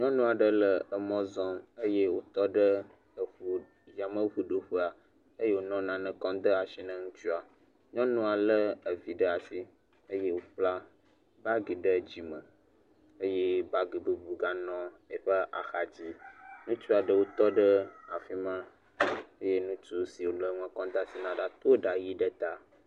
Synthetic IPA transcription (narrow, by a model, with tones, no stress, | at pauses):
ɲɔ̃˦nũ˦a˨ɖə˦lə˨ə˨mɔ̃˦zɔ̃˦ə˦je˦wo˦t̪ɔ˦ɖə˦ | ə˨ɸu˨ | ja˨mə̃˦ɸu˨ɖo˨ɸu˦a˨ | ə˦je˦wo˦nɔ̃˦nã˨nə̃˨kɔ̃˦d̪ə˦a˨ʃi˦nə̃˦ŋũ˦t͡ʃu˦a˨ | ɲɔ̃˦nũ˦a˨lə˦ə˨vi˨ɖə˦a˨si˦ | ə˦je˦wo˦ɸla˦ | ba˦ɡi˨ɖə˦˨d͡ʑi˨mə̃˨ | e˦je˦ba˦ɡi˨be˦bu˨ɡa˦nɔ̃˦ | e˨ɸə˦ʔa˨xa˨d͡ʑi˦nũ˦t͡ʃu˦a˨ɖə˦wo˦t̪ɔ˦ɖə˦a˨fi˦mã˦ | e˦je˦nũ˦t͡ʃu˦si˨wo˨lə˦ŋə̃˨˦kɔ̃˦d̪a˦˨si˨nã˨ɖa˦t̪o˦ɖa˨ji˦ɖə˦t̪a˦